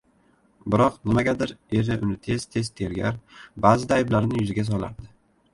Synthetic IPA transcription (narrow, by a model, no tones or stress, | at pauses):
bɪɾɒqnɪmaɡʲad̪ɪɾe̞ɾɪʔʊnɪt̪ʰe̞z̥t̪ʰe̞zt̪ʰe̞ɾɡʲa̰ɾbaːzɪd̪aːjblaɾnɪjʊzɪɡʲas̬ɒla̰ɾd̪ɪ